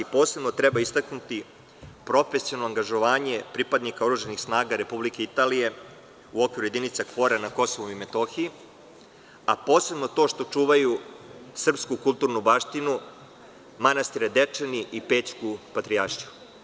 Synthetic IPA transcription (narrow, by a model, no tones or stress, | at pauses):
ipo̞ːse̞bnot̪ɾɛbaist̪aknut̪i | pɾo̞fe̞sijolnoaŋɡaʒo̞ʋaːɲe̞pɾipad̪nikaoɾuʒenixsnaːɡaɾe̞publike̞it̪aːlije̞ | uo̞kʋiɾuje̞d̪init̪sakfo̞ɾanako̞soʋoime̞t̪o̞xii | apo̞ːse̞bno̞t̪o̞ːʃt̪o̞t͡ʂuːʋajusr̩pskukulˠt̪uːɾnubaʃt̪inu | manast̪iɾad̪et͡ʂeniʔipe̞ːt͡ʃkupat̪ɾiaɾʃiju